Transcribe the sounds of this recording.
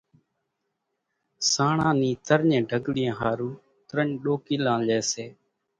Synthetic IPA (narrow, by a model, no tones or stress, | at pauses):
saːɳãːniːt̪əɾɲẽːɖʱəɡɽɪjẽːɦaːɾuː | t̪ɾəɲɗoːkiːlãːleːseː